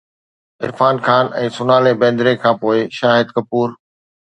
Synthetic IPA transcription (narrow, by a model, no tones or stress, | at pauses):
ɪ̰ɾfaːnxaːnɛ̃ːsʊnaːlebɛ̃ːnd̪ɾekʰãːpoːɪʃaːɦɪd̪kɐpuːɾ